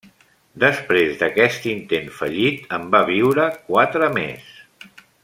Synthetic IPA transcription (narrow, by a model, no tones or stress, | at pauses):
d̪əspɾezðəkɛst̪int̪enfəʎit̪əmbaβ̞iwɾəkwat̪ɾəmḛs